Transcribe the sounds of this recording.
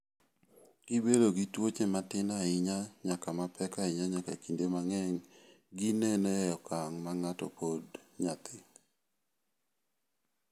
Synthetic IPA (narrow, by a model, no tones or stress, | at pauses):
ɡ̥ibedoɡitwot͡ʃematɪnaɪɲaɲakamapʰɛkaɪɲaɲaka̰kindemaŋɛŋɡinenejɔkaŋmaŋatɔ̰podɲat̪ɪ